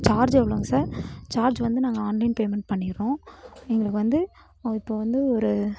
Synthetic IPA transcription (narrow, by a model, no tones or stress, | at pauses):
t͡ʃaːɾd͡ʒeːʋɐɭoːŋɡɐsaːɾt͡ʃaːɾd͡ʒʋɐnd̪ɯnaːŋɡɐaːnlɐɪnpeːmɛɳʈ̚pɐɳːɪɾõːɛŋɡɐɭɯkːɯʋɐnd̪ɯ | ɪpːoːʋɐnd̪ɯɔɾɯ